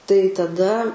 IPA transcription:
tɐɪ tɐˈdɐ

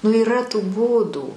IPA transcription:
nʊ iːˈrɐ tuː ˈbuːduː

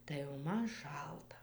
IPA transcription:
tɐɪ jɛʊ ˈmɐn ˈʃɐlˠtɐ

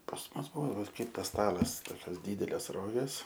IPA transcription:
pɐs ˈmʊs ˈbʊʋoː ʋɐ ˈkɐɪp tɐs ˈstɑːlˠɐs ˈtoːkʲoːs ˈdʲiːdʲɛlʲeːs ˈroːɡʲeːs

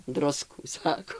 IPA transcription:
ˈdrʊskuː ˈsɑːkoː

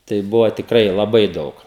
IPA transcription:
tɐɪ ˈbʊʋoː tʲɪkˈrɐɪ lˠɐˈbɐɪ ˈdɐʊk

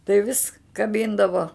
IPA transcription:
tɐɪ ʋʲɪs kɐˈbʲɪndɐʋoː

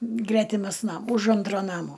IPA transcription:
ˈɡrʲæːtʲɪmɐs ˈnɐm ʊʃ ˈɐntroː ˈnɑːmoː

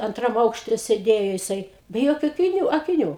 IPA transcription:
ɐnˈtrɐm ˈɐʊkʃʲtʲɛ sʲeːˈdʲeːjoː jɪˈsɐɪ bʲɛ ˈjoːkʲʊ ɐkʲɪˈnʲuː ɐkʲɪˈnʲuː

